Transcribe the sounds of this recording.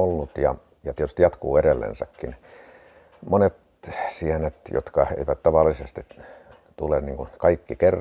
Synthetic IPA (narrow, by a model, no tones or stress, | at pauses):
olːut̪jɑ̰ | jɑt̪iet̪yst̪ijɑt̪kuːeɾelːḛnsæ̰kːin | monet̪ | siænet̪jo̰t̪kɑḛˑiʋæt̪t̪ɑʋɑlːˑisest̪i | t̪ulenniːŋkukɑikːikerː